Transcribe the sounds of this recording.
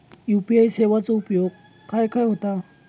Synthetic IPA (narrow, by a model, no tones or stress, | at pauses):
jupiajseʋat͡soupjoɡ̚ | kajkajɦot̪a